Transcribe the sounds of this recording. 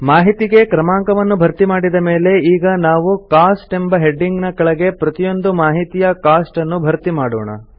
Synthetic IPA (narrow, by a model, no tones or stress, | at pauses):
maːɦit̪iɡe̞kɾɐmaːŋkɐʋɐnːubʱɐɾt̪imaːɽid̪ɐme̞ːle̞iːɡɐnaːʋukaːsʈe̞mbɐɦe̞ɖːiŋɡnɐkːɐɭɐɡe̞pɾɐt̪ijo̞nd̪umaːɦit̪ijɐkaːsʈɐnːubʱɐɾt̪imaːɽɔ̰ːɳɐ̰